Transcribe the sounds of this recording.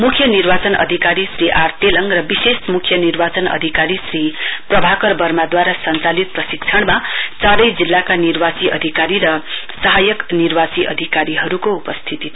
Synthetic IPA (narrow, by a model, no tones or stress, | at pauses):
mukʰjʌnirbat͡sʌnʌ̰d̪ʱikaɾisriʔart̪elʌŋrʌbisesmukʰjʌnirbat͡sʌnʌ̰d̪ʱikaɾisriprʌbʱakʌrbʌrmad̪waɾasʌnt͡salit̪̚prʌsik̚t͡sʰʌɽ̃mat͡saɾʌjd͡zilːakanirbasiʔʌ̰d̪ʱikaɾiɾʌsʌɦajʌknirbasiʔʌ̰d̪ʱikaɾiɦʌɾukoupʌst̪ʰit̪i